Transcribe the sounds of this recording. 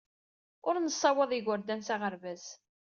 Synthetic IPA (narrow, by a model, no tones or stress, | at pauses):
ʊɾnəsˤːɑwɑðˤiɡəɾd̪ænsaʁəɾvæz